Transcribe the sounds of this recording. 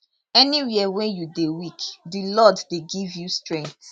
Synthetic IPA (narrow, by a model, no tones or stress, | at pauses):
ɛniwiɛwɛ̃njudewikdilɔddeɡivjustɹɛ̃ŋk̚t